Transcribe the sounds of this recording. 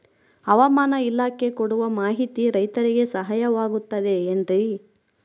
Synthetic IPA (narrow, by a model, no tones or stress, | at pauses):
ɐʋɐmaːnɐilaːkekoɽuʋɐmaːɦit̪iɾɐjt̪ɐɾiɡe̞sɐɦajɐʋaːɡut̪ːɐd̪e̞ːndɾi